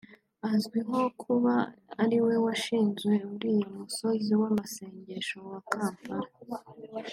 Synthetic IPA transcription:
azɡwiɦo̞kʰuβaːɾiwe̞waʃiːnzɡwe̞uɾiːjomuso̞ziwamase̞ːɲɟe̞ʃo̞wakaːmpaɾa

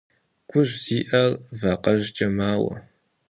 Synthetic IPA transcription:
kʷʰʊʒz̥iːʔɐrvaːqʼɐʒt͡ʃʼɐmaːwɐ̰

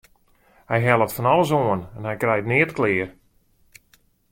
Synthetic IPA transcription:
hɛjɦɛlˠətfɔnɔlˠəs̬oənɛnhɛjkrɛjtnɪətklɪːər

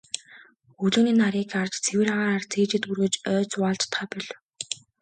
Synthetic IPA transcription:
ɵɮoːniːnaɾiːkart͡ɕt͡sʰewɘ̆raʁaːɾaːrt͡sʰeːt͡ɕɪ̆t̪̚ɡurɣɘ̆ːt͡ɕœːt͡swaːɮt͡ɕt̪χʰaːpɔɮ

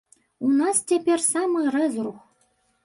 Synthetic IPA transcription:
unɑstʲepʲerʲsɑmɤɾɘzruχ

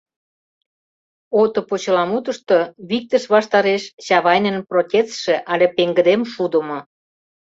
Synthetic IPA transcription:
ot̪ŏpot͡ɕə̆lɑmut̪ə̆ʃt̪oβik̚t̪əʃβɑʃt̪ɑɾeʃɕɑβɑjnə̆nprotʲet͡sʃĕʔɑlʲepeŋɡə̆d̪emʃud̪ə̆mŏ

